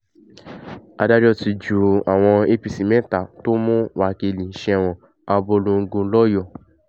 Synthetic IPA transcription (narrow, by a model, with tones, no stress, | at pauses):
a˧da˦d͡ʒɔ˦ti˧d͡ʒu˨a˨w̃ɔ̃˧e˧pi˨˧si˨mɛ̃˦ta˦˨to˦mũ˦wa˨ke˧˨lĩ˨˦ʃɛ̃˧˨w̃ɔ̃˨ | a˧bo˧lũ˧ŋ̩˧ɡõ˧˦lɔ˦jɔ˦˨